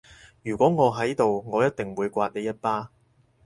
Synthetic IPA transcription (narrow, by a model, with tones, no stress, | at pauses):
jyː˨˩kʷɔː˨˥ŋɔː˨˧ɦɐ˨˥jt̪o˨wŋɔː˨˧jɐ˥t̚t̪ɪ˨ŋwuː˨˧jkʷaː˧t̚ne˨˧jɐ˥t̚paː˥